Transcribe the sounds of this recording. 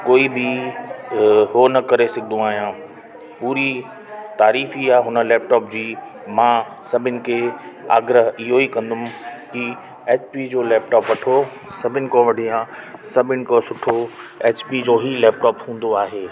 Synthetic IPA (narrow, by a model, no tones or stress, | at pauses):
koːibɪ | ɦoːnɐkɐɾesɐɡʱɪd̪ũaːɦijãː | puːɾi | t̪aːɾiːfiaːɦʊnə̆lɛːp̚ʈɔːp̚d͡ʑiː | mãː | sɐbʱɪnɪ̆kʰea̰ːɡɾəɦɪɦoikɐ̃nd̪ʊmki | eːt͡ɕpid͡ʑoːlɛːp̚ʈɔːpʋɐʈʰo | sɐbʱɪnɪ̆kõʋɐɽijãsɐbʱɪnɪ̆kosʊʈʰoeːt͡ɕpid͡ʑoːɦilɛːp̚ʈɔːpɦũːn̆d̪oaːɦeː